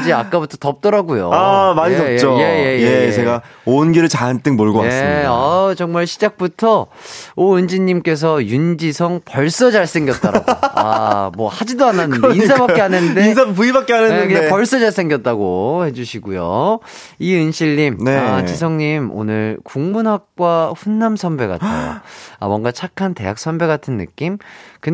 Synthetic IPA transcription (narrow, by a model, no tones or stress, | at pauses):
d͡ʑiak͈abutʰʌtʌp̚t͈ʌɾaɡujo̰amaɲitʌt͡ɕ͈ojeje̞jet͡ɕeɡa | onɡiɾɯɭt͡ɕant͈ɯŋmoɭɡoaes͈at͡ɕʌŋmaɭɕʰid͡ʑak̚p͈utʰʌ | oɯnd͡ʑiɲːimk͈e̞s̬ʰʌjund͡ʑisʰʌŋpʌɭs͈ʌd͡ʑaɭs͈ʰe̞ŋɡjʌt̚t͈ʌɾ̰ɡamwʌhad͡ʑidoananɯɯninsʰabakk͈eanɯndesapuibak͈eanenkɯɲapʌɭs͈ʌd͡ʑaɭs͈ʰe̞ŋɡjʌt̚t͈aɡohe̞d͡ʑuɕʰiɡujo̰ | iɯnɕʰiɭːimnat͡ɕisʰʌŋɲimo̰nɯɭkuŋmunɦak̚k͈waɸunːamsʰʌmbe̞ɡa̰t͈a̰a̰mwʌnɡat͡ɕʰakʰante̞̰jak̚s͈ʰʌmbe̞ɡatʰɯnːɯ̰k͈imkɯ